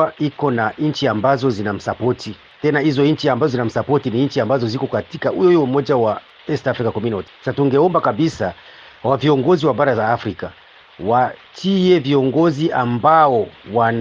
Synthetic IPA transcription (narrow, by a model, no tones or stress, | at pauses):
aikɔnaɲ̩t͡ʃiambazɔzinam̩sapɔti | tɛnaizɔɲ̩t͡ʃiambazɔzinam̩sapɔtiniɲt͡ʃiambazɔzikɔkatikaujɔjɔumɔd͡ʒawa | ɛstafɾikakɔmjunɔti̥sasatuŋɡɛɔmbakaɓisa | waviɔŋɡɔziwaɓaɾazaːfɾika | wat͡ʃiɛviɔŋɡɔziʔambaɔwan